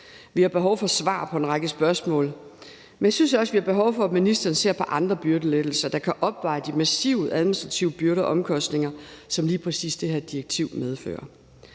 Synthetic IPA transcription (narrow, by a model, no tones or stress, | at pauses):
ʋihɑ̈b̥e̝ɦɒʊfɒ̽sʋɑ̰̈pʰɒ̽e̝nʁɑɡ̥əsb̥ɶɐsmɔ̰̽ːl | menjɑɪsynsɒ̽sʋihɑ̈b̥e̝ɦɒʊfɒ̽æminisd̥ɐːnse̝ɐ̰pʰɒ̽ʔɑ̈nd̥ʁɐb̥yɐɾ̥əled̥l̩sɐd̥ɑ̈kʰæʔɒ̽b̥ʋɑ̈ɪd̥imæsiʊæðˠminisd̥ʁɑ̈t͡sʰiʊəb̥yɐɾəʔɒ̽mkʰɒ̽sd̥ne̝ŋɐsɒ̽mliːpʰʁɛsḭːsd̥e̝ɦæɐd̥iɐɡ̥̚t͡sʰiʊ̰með̞ˠfø̰ːɐ